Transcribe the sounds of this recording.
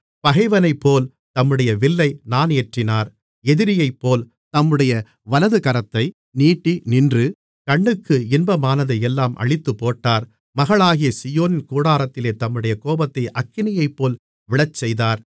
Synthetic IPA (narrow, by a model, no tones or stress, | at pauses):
pɐɣɐɪʋɐnɐɪpːoːl | t̪ɐmːɯɽɐjɐʋɪlːɐɪnaːneːʈrɪnaːɾ | ɛðɪɾɪjɐɪpːoːl | t̪ɐmːɯɽɐjɐ | ʋɐlɐðɯkɐɾɐt̪ːɐɪ | niːʈːinɪndrɯ | kɐɳːɯkːɯɪnbɐmaːnɐðɯɛlːaːmʔɐ̰ɻɪt̪ːɯpːoːʈːaːɾ | mɐɣɐɭaːɣɪjɐsɪjoːnɪnkuːɽaːɾɐt̪ːɪleːt̪ɐmːɯɽɐjɐkoːbɐt̪ːɐɪʔɐkːɪnɪjɐɪpːoːl | ʋɪɭɐt͡ʃːɛjðaːɾ